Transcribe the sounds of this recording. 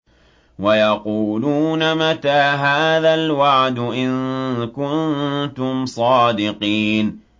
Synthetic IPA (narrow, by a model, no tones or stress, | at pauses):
wajɑquːluːnamat̪aːɦaːðalwaʕd̪ʊʔɪnkʊnt̪ʊmsˤɑːd̪ɪqiːn